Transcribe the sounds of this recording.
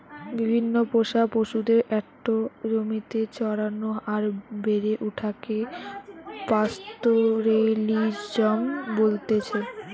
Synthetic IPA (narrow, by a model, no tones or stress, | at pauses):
bibʱinːopoʃapoʃud̪eɾʔɛk̚ʈoɾomit̪et͡ɕɔɾanoaɾbeɾeʔuʈʰake | past̪oɾelid͡ʑd͡ʑɔmbolt̪et͡ɕʰe